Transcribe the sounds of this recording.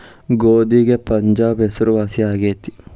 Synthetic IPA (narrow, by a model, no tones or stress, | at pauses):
ɡoːd̪iɡepɐɲd͡ʒaːbɦesuɾʋaːsiaːɡeːt̪i̥